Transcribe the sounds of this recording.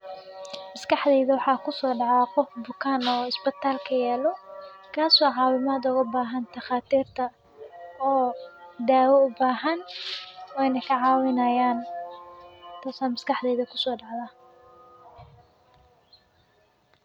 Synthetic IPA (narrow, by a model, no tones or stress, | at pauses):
mɐskʰɑħd̪ɛjðɐwɑħɑːkʰʊsɔːɖɑʕaqɔfbʊkʰaːnɔːɪsbɪt̪ʰaːlkʰɐjɛːlɔkʰaːswɑːʕɑːwɪmaːd̪ʊʊɣɐbaːɦɐnt̪ʰɐχaːt̪ʰiːrt̪ʰɐ | ɔːd̪aːwɔʊbaːɦɐn | wɛjnɐkʰɐʕɑːwɪnɐjaːn | t̪ʰaːsaːmɐskʰɑħðɛjðɐkʰʊsɔːɖɑʕðaː